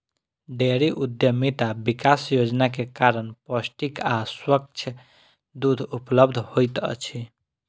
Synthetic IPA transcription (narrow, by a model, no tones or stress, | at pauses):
ɖeɾiʔud̪jəmit̪abikasjod͡ʒnakekaɾənpəsʈikaswək̚t͡ʃʰə | d̪ud̪ʱupləbd̪ʱhojt̪ə̰t͡ʃʰi